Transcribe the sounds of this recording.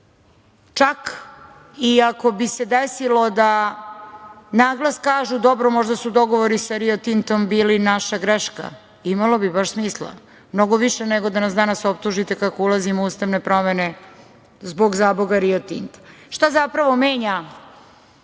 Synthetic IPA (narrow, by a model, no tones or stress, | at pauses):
t͡ʃak | iako̞bise̞d̪esilo̞d̪a | naːɡlˠaskaːʒud̪o̞bɾomo̞ʒd̪asud̪o̞ɡo̞ʋoɾisaɾiot̪int̪o̞mbiːlinaʃaɡɾeʃka̰ | imalo̞bibaʃsmiːslˠa̰ | mno̞ɡoʋiʃeneɡod̪anasd̪anaso̞p̚t̪uʒit̪ekakoulˠazimouːst̪aʋne̞pɾo̞mene̞ | zboɡzaːboɡaɾiot̪ḭnt̪aʃt̪azapɾaʋo̞meːɲa